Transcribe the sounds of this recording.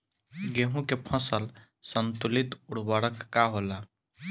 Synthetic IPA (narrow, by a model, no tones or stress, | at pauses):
ɡeɦũkepʰɔ̃səl | sɔnt̪ulit̪uɽbaɽɔkːaɦola